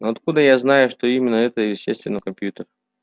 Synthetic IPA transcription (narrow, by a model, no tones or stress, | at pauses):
noɐt̪kud̪əjaznajʊʂt̪oimʲɪnːəɛt̪əjɪsʲtʲest̪vʲɪnəkɐmʲpʲjut̪ər